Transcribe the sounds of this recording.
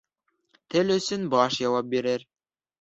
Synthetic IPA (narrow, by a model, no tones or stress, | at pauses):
t̪ɘlɵ̆sɵnbɑʃjɑwɑp̚biɾɘɾ